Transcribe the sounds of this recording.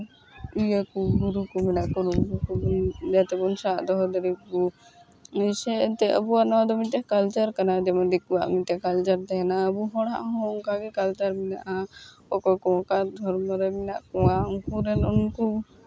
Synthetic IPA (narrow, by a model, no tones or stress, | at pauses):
ujəkuɡuɾukumɛnaʔkunuŋkukubund͡ʒat̪ɛbunsaʔd̪ɔɦɔd̪əɾikku | isɛt̪ɛʔə̰buaʔnɔd̪ɔmiʈɛhkalt͡ʃəɾkanad͡ʒɛmand̪ikuwa̰ʔmiʈɛhkalt͡ʃəɾt̪ɛɦɛnaəbuɦɔ̃ɽa̰ʔɦɔ̃ɔŋkaɡɛkalt͡ʃəɾmɛnaʔa | ɔkɔkɔkad̪ʱɔɾmɔɾɛmɛnaʔkɔwaʔuŋkuɾɛnɔnku